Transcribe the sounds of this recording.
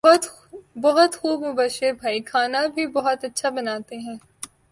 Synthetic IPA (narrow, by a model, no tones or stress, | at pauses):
t̪ | bɐɦʊt̪xuːbmʊbaːʃɪɾbʱaːikʰaːnabʱibɔɦʊt̪ɐtːʃʰabɐnaːt̪eɦɛ̃ː